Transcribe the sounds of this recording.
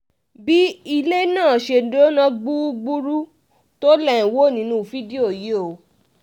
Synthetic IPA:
bi˦i˧le˦nãː˦˨ʃe˧do˦nã˦ɡ͡bu˦ɡ͡bu˦ɾu˦ | to˦lɛ˦ĩ˨wo˦˨nĩ˨˦nũ˦˨fi˦di˦o˦˨je˨˦˨o˨˦

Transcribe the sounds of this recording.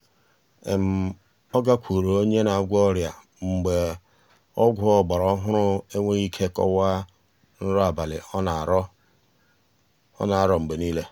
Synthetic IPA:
ḛ˨m̩˨ | ɔ˦ɡa˦kʷu˨ɾo˨o˦ɲe˦na˨a˨ɡʷɔ˦ɾja˨ | ŋ͡m̩˨ɡ͡be˨ | ɔ˦ɡʷʊ˦ɔ˨ɡ͡ba˨ɾɔ˦ɦʊ˦ɾʊ˦e˦ŋʷe˦i˦kʰe˦kɔ̰˦wa˦ | n̩˦ɾɔ˦a˨ba˨lɪ̰˨ɔ˦na˨ɾɔ˦ | ɔ̰˦na˨a˦ɾɔ˨ŋ͡m̩˨ɡ͡be˨niː˦le˦

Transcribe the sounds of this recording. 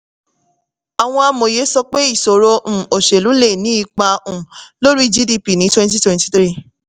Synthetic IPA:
a˨w̃ɔ̃˧a˧mo˨je˨˦sɔ˧k͡pe˦i˦˨so˨ɾo˧m̩̃˨o˨ʃe˨lu˨˦le˦˨nĩ˨˦i˦˧˨k͡pa˧ũ˨lo˦ɾu˦i˦d͡ʒi˦di˧pi˨nĩ˨˦twɛ̃˦nti˦twɛ̃˧nti˨t̪ɾi˦˨

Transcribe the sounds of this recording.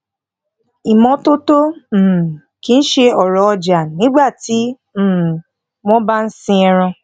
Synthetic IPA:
i˨mɔ̃˧to˦to˦˨ | ki˧n̩˦ʃe˧ɔ˨ɾɔ˨ɔ˧d͡ʒa˨nĩ˨˦ɡ͡ba˦˨tĩ˨˦˨ | w̃ɔ̃˦ba˦n̩˦sĩ˧ɛ˧ɾ̃ɔ̃˧

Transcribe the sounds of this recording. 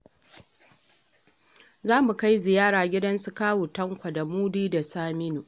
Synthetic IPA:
zaː˦mu˨ka˦jzɪ˨jaː˦ɽaː˨ɡʲɪ˦dɐ˦nsu˦kaː˦wuː˨tɐ˦ŋkʷa˨da˨muː˦diː˦da˨saː˦mɪ˦nu˨

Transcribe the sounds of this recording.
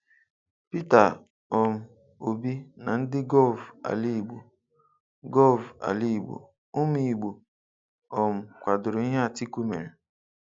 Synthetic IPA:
pi˦ta˨ | ɔ˨m̩˨ | o˨bi˦na˨n̩˦dɪ˦ɡɔ˦lva̰˨li˦˨ɡ͡bu˨ | ɡɔ˦va̰˨li˦i˨ɡ͡bṵ˨ | ʊ˦mi˨i˨ɡ͡bu˨ | ɔ˨m̩˨kʷa˨dʊ˨ɾʊ˨˦i˦ɦe˦a˨ti˦ku˦mḛ˨ɾe˨

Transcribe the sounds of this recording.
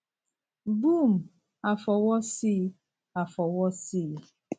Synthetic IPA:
bu˦˨m̩˨ | a˨fɔ˨wɔ˦si˦ | a˨fɔ˨wɔ˦siː˦˨

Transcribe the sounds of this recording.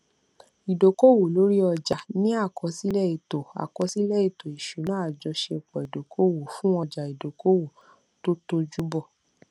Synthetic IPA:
i˨do˨ko˦˨wo˨lo˨˦ɾi˦ɔ˧d͡ʒa˨nĩ˦a˦˨kɔ˧˦si˦lɛ˦i˨to˨a̰˨kɔ˨˧˦si˦lɛ˦˨i˦˨to˨i˨ʃu˨˦nã˨˦a˦˨d͡ʒɔ˧ʃe˧˨k͡pɔ˨i˨do˨kʰo˦wo˨fũ˦ɔ˧d͡ʒa˨i˨do˨ko˦wo˨ | to˦to˧d͡ʒu˦bɔ˦˨

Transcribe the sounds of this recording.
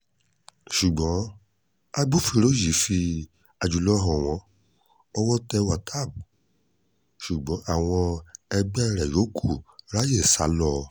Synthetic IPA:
ʃu˨ɡ͡bɔ̃˨˦ | a˦ɡ͡bo˦˨fi˧ɾo˦ji˨˦fi˧ | a˧d͡ʒu˨lɔ˦ɦɔ̃˨w̃ɔ̃˨˧˦ | ɔ˧wɔ˦tɛ˧wa˨tʰa˦˨b | ʃu˨ɡ͡bɔ̃˨˦ʔa˦˨w̃ɔ̃˧ɛ˧ɡ͡bɛ̃˦˧ɾɛ˨jo˨˦kʰu˦˨ɾa˦je˦˨sa˨˦lɔ˦˧˨

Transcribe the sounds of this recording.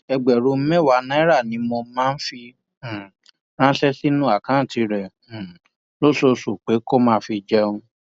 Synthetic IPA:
ɛ˧ɡ͡bɛ˨ɾu˨˧˦mɛ̃˦˨wa˨˦nã˨˦i˦ɾa˦˨nĩ˨˦mɔ̃˧mãː˦n̩˦fĩ˧˨ | ɾ̃ã˦ʃɛ˦si˦nũ˦a˦˨kã˨˦˨ti˧ɾɛ̃˨ | lo˦˨so˧so˨k͡pe˨˦ko˦mãː˦fi˧d͡ʒɛ˦ũ˧

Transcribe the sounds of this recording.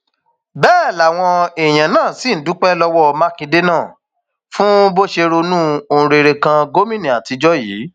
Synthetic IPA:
bɛː˦˨la˨w̃ɔ̃˧e˨j̃ã˨nãː˦˨si˦˨n̩˨˦dũ˨˦k͡pɛ˦lɔ˧wɔ˦ɔ˧ma˦kĩ˧de˦nãː˦˨ | fũ˦bo˦ʃe˧ɾo˧nũː˦õ˧ɾe˧ɾe˧kã˧ɡo˦mĩ˦nĩ˨a˨ti˧d͡ʒɔ˦jḭː˨˦

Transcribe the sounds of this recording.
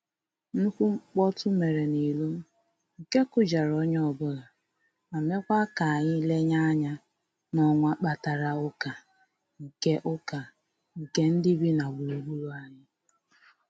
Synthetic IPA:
n̩˦kʷu˦ŋ͡m̩˦k͡pɔ˦tʊ˦me˨ɾe˨ni˨lo˦m̩˦ | ŋ̩˨ke˦kʊ˨d͡ʒa˨ɾɔ˦ɲ˦ɔ˨bʊ˦ɣa˨ | a˨me˦kʷa˦ka˨ɲɪ˦le˦ɲa˦ɲa˦ | nɔ˦ŋʷa˦k͡pa˨ta˨ɾa˨ʊ˦ka˨ | ŋ̩˨ke˦ʔʊ˦ka˨ | ŋ̩˨ke˦n̩˦dɪ˦bi˦na˨wu˨u˨ɡ͡bu˦ɾu˦a˨ɲɪ˦

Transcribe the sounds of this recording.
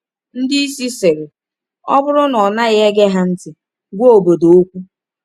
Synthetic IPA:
n̩˦dɪ˦i˦si˦se˨ɾɪ˨ | ɔ˦bʊ˦ɾʊ˦nɔ˨na˦ɣe˦ɡe˦ɦa˦n̩˦tɪ˨ | ɡʷo˦o˨bo˨do˨o˦kʷu˦

